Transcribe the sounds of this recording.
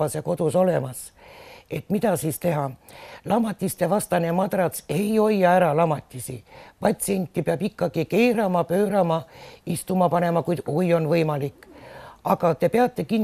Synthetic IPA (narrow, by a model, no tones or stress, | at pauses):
ɑsjɑko̞d̪̥uso̞le̞mɑs | e̞t̪mit̪ɑsiːst̪e̞ɦɑlɑmːɑt̪ʲːˑist̪e̞vɑst̪ɑnemɑd̪̥rɑse̞jo̞jːɑæɾɑlɑmɑt̪ʲˑːisḭpɑt̪ʲsie̞nʲt̪ʲːˑipeɑbikːɑɡ̥ike̞jɾɑmɑpø̞ːɾɑmɑist̪umɑpɑne̞mɑkujd̪̥ujo̞nvɤjmɑlikːˑɑɡɑt̪e̞peɑt̪ːˑe̞kinː